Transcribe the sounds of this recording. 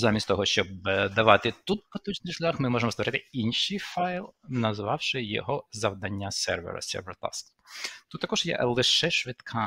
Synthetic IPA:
zamʲistʲt̪ɔɦɔʃt͡ʃɔbd̪ɐʋɑt̪ɪt̪ut̪̚pɐt̪ut͡ʃnɪjʃlʲaxmɪmɔʒemɔst̪ʋɔɾɪt̪ɪinʲʃijfɑjlˠnɐzʋɑwʃɪjɔ̰ɦɔzɐʋd̪ɐnʲːasɛ̰rʋḛɾɐ̰sʲɛ̰rʋeɾt̪ɑ̰sk̪ | t̪ut̪ːɐkɔʒ̥jɛ̰lˠɪʃɛʃʋɪt̪kʰɑ

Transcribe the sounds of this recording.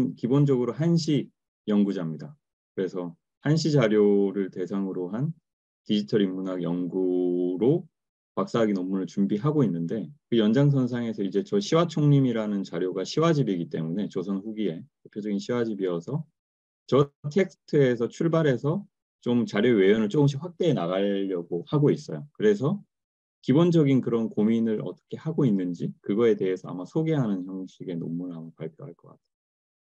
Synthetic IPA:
nkibond͡ʑʌɡɯɾoɦanɕ̬ʰi | jʌŋɡud͡ʑamɲida | kɯɾe̞sʰʌ | hanɕ̬ʰid͡ʑaɾjoɾɯɭte̞sʰaŋɯɾoɦan | tid͡ʑitʰʌɾimːunaɡjʌŋɡuɾo | pak̚s͈aɦːɡinomːunɯɭt͡ɕumbiɦaɡoinːɯnde̞kɯjʌnd͡ʑaŋs̬ʰʌnsʰaŋe̞sʰʌid͡ʑe̞t͡ɕʌɕʰiwat͡ɕʰoŋɲimiɾanɯnt͡ɕaɾjoɡaɕʰiwad͡ʑibiɡit͈e̞mune̞t͡ɕʌsʰʌnɸuɡie̞tʰe̞pʰjod͡ʑʌɡinɕʰiwad͡ʑibiʌsʰʌ | t͡ɕʌtʰe̞k̚sʰɯ̥tʰɯe̞s̬ʰʌt͡ɕʰuɭbaɾe̞sʰʌ | t͡ɕomt͡ɕaɾjowe̞jʌnɯɭt͡ɕ͈oɡɯmɕ̬ʰiɸwak̚t͈e̞ːnaɣaʎːʌɡohaɡois͈ʌjokɯɾe̞s̬ʰʌ | kibond͡ʑʌɡinkɯɾʌnkominɯɾʔʌ̰t͈ʌ̥kʰe̞haɡoinːɯnd͡ʑikɯɡʌe̞te̞ɦesʰʌa̰masʰoɡe̞ɦanɯnçjʌŋɕʰiɡe̞no̰mːunamopaɭpʰjoɦaɭk͈ʌk͈a̰tʰe̥

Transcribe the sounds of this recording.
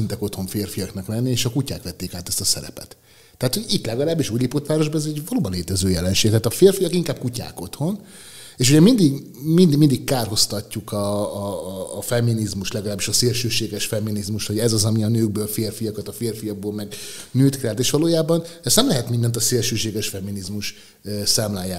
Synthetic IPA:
int̪ɛko̞t̪ho̞ɱfeːrfijɒknɒklɛnːieːʃɒkucaːkʋɛt̪ːeːkaːt̪ɛst̪ɒsɛ̰ɾɛ̰pɛ̰t̪ː | ɛɦat̪hoɟit̪lɛɡɒlaːbːiʃuːɟliːpot̪ʋaːɾo̞ʒbɒɛzɛɟvɒloːbɒnleːt̪ɛzøːjɛlɛnʃeːɡ̚t̪ɛaːt̪ɒfeːrfijɒkiŋkaːb̥̚kuca̰ːko̞t̪ho̞n | eːʃuɟɛmind̪iɡmind̪imind̪ikkaːrɦo̞st̪ɒcːukɒː | fɛmːinizmuʃt̪lɛɡɒlaːbːiʃɒseːlʃøːʃeːɡɛʃfɛmːinizmuʃt̪hoɟɛzɒzɒmiɒnøːɡ̚bøːlfeːrfijɒkɒt̪ɒfeːrfijɒɡ̚boːlmɛɡnyːt̪kɛlt̪eːʃʋɒloːjaːbɒnɛst̪nɛmlɛɦɛt̪mind̪ɛnt̪ɒseːlʃøːʃeːɡɛʃfɛmːinizmuʃ | saːmlaːjːaː

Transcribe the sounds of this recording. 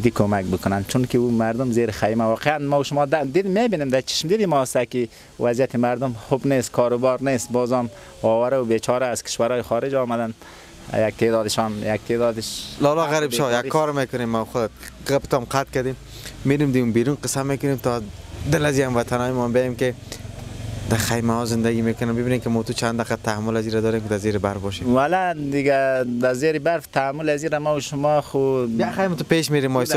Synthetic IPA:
d̪ikʰomak̚bɪkʊnant͡ʃʰunkiumaɾd̪ʊmzeɾɪxajmawɔːqeanmɔuʃʊmɔːd̪ad̪imebinimd̪at͡ʃʰi̥ʃmd̪id̪imɔst̪aki | wazjat̪ʰimaɾd̪ʊmxubnest̪kʰɔːɾʊbɔːɾnest̪bɔːzɔm | ɔːwaɾaʊbet͡ʃʰɔːɾaːz̥kʰɪ̥ʃwaɾɔːjixɔːɾɪd͡ʒɔːmad̪an̰ | jaɡ̚t̪ʰeːd̪ɔːd̪ɪʃɔnjak̚t̪ʰeːd̪ɔːd̪ɪʃlɔlɔɣaɾibʃɔjakkʰːɔɾmekʊnemːaxʊd̪ɣapɪ̥t̪ɔmqat̪̚kad̪emː | eɾemd̪ɪɡumbiɾunqɪsamekʊnemt̪ɔd̪ɪlaziamvat̪ʰanɔjmɔambejajemkɪ | d̪axajmahɔzɪnd̪aɡimekʊnambɪbinemkɪmɔt̪ut͡ʃʰand̪aqat̪aamːʊlaziɾad̪ɔːɾemkɪd̪azeɾɪbaɾfbɔʃewalad̪ɪɡad̪azeɾɪbaɾft̪ʰaamːʊlaziɾamauʃʊmɔxuaxajmɪt̪ʊpeʃmeɾemːɔjs

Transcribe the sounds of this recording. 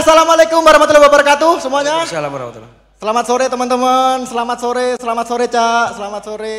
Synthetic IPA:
salamalekʊmbəɾahmat̪ulawabəɾəkat̪usəmuaɲaalambɾa̰t̪ | səlamat̪soɾet̪əmənt̪əmənsəlamat̪̚soɾesəlamat̪̚soɾet͡ʃasəlamat̪̚soɾe

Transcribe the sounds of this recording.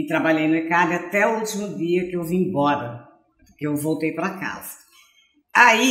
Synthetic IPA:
ɪt̪ɾabaʎejnʊekadɪat̪ɛut͡ʃimʊd̪iɐkɪewviĩbɔɾɐ | kɪewvowt̪ejpɾaka̰zɐ̥ | ai

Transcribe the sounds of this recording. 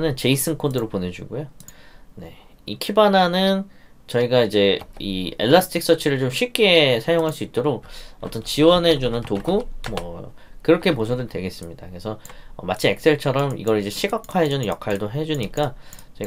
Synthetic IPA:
nɯnt͡ɕe̞is͈ʰɯnkʰondɯɾopone̞d͡ʑṵɡojone̞ | ikʰibananɯn | t͡ɕʌiɡaid͡ʑe̞iḛɭːasʰɯ̥tʰik̚s͈ʌt͡ɕʰiɾɯɭt͡ɕomɕʰɥip̚k͈e̞sʰajoŋɦaɭs͈uit̚t͈oɾok̚ʌt͈ʌnt͡ɕiwʌne̞d͡ʑunɯntoɡumʌ̰ | kɯɾʌkʰe̞pos̬ʰʌnɯntwe̞ɡe̞s͈ɯmɲida̰ke̞sʰʌʌmat͡ɕʰie̞k̚s͈e̞ɭt͡ɕʰʌɾʌmḭɡʌɾid͡ʑe̞ɕʰiɡakʰwaɦe̞d͡ʑunɯnjʌ̰kʰaɭdoɦe̞d͡ʑuɲik͈at͡ɕʌi

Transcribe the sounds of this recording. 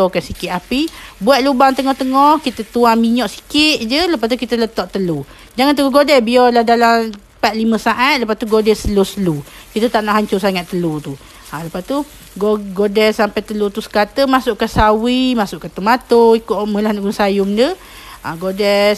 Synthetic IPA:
ɔkansikɪʔ̪apibuat̪̚lubaŋt̪əŋɔht̪əŋɔhkit̪ət̪uaŋmiɲɔʔsi̥kɪʔ̪d͡ʒələpat̪ukit̪ələt̪ɔʔt̪əlu | d͡ʒaŋant̪əɡuɡodɛbiɔlahdalam | pat̪̚liməsaʔat̪̚ləpast̪uɡodɛsəlusəlu | kit̪ət̪aʔnaʔɦaɲt͡ʃʊsaŋat̪ːəlut̪u | aləpast̪u | ɡoɡodɛsampajt̪əlut̪usə̥kat̪əmasʊʔkasawimasʊʔkat̪umat̪oikoʔməlanɡunsajʊmdə | ʔaɡodɛ

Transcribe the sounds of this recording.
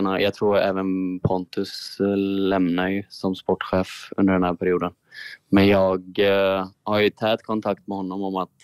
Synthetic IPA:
najʔɑːɡ̚t̪ʰɾuːɾɛ̰ːvənpʰɔnt̪ɵslɛmnajɵsɔmspɔʈːɧeːfɵ̰nd̪əɖɛnhæːɾpʰæɾɪjuːd̪ənmɛnjɑːɡ | haɾjɵt̪ʰɛːt̪kʰɔnt̪ʰak̚t̪mɛhɔnːɔmɔmat̪

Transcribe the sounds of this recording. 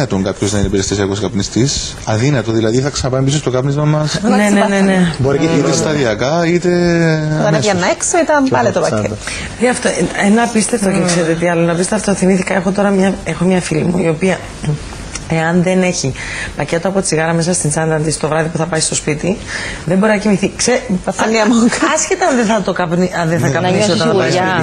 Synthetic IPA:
ɐt̪oŋkɐpçoznɐinepiɾest̪isɐkoskɐpnist̪is | ɐðinɐt̪oðilɐðiθɐksɐnɐpɐipisost̪oɡɐpnizmɐmɐsnenenene̞boɾiit̪est̪ɐðiɐkɐit̪et̪ɐneɐnːɐeksoit̪ɐnpɐnet̪opɐe | iɐft̪oenɐpist̪e̞ft̪ocekseɾet̪et̪iɐloenɐpist̪eeft̪oθimiθikɐe̞xo̞t̪o̞ɾɐmɲɐe̞xo̞mɲɐfilimṵio̞piɐ | e̞ɐnðe̞ne̞çi | pɐce̞t̪o̞ɐpot͡siɣɐɾɐme̞s̬ɐst̪int͡sɐnd̪ɐnt̪ist̪o̞vɾɐðipuθɐpɐist̪o̞spit̪iðembo̞ɾinɐcimiθikseɐnːiɐmokɐsçet̪ɐɐnðeθɐt̪okɐpniʔɐnðeθɐkɐtnisioɐnɐsɐi

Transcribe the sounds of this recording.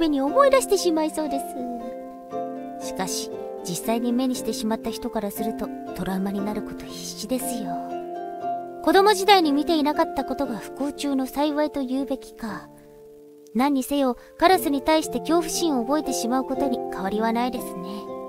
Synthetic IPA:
me̞ɲ̟io̞mo̞id̪aɕi̥t̪e̞ɕimaiso̞ːd̪e̞sɨ | ɕi̥kaɕi̥ | d͡ʑisːaiɲ̟ime̞ɲ̟iɕi̥t̪e̞ɕimat̪ːaçi̥t̪o̞kaɾasɨɾɯ̟t̪o̞ | t̪o̞ɾaɯ̟maɲ̟inaɾɯ̟ko̞̥t̪o̞çi̥ɕid̪e̞sɨjo | ko̞d̪o̞mo̞ʑid̪aiɲ̟imʲit̪e̞inakat̪ːako̞t̪o̞ɡaɸɯ̟̥koːt͡ɕɨːno̞saiβait̪o̞jɯːbe̞kʲi̥ka | nãɲ̟ːise̞jo̞ | kaɾasɨɲ̟it̪aiɕi̥t̪e̞kʲo̞ːɸɯ̟̥ɕĩɰ̃o̞ːbo̞e̞t̪e̞ɕimaɯ̟ko̞t̪o̞ɲ̟ikaβ̞aɾʲiβanaid̪e̞sɨne̞

